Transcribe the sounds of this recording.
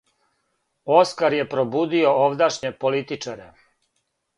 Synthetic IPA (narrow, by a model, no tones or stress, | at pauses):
o̞skaɾje̞pɾobuːd̪io̞ovd̪aʃɲe̞po̞lit̪it͡ʃaɾḛ